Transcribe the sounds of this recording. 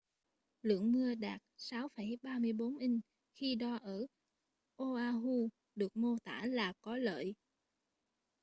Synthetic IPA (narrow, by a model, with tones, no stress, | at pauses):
lɨ̰˧˨əŋmɨ˧əɗaː˨˩t̚saː˨˦wfə˧˩jɓaː˧mɨ˧əjɓo˨˦nʔi˧ŋ̟ | xi˧ɗɔ˧ʔəː˧˩ | ʔo˧ʔaː˧ɦu˧ | ɗɨ˨˩ək̚mo˧t̪a̰ː˧˩laː˨˩kɔ˨˦lə̰ː˧˨j